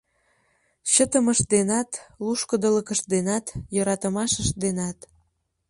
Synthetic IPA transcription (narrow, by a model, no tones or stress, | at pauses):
ɕət̪əməʃd̪enɑt̪luʃkəd̪ələkəʃd̪enɑt̪joɾɑt̪əmɑʃəʃd̪enɑt̪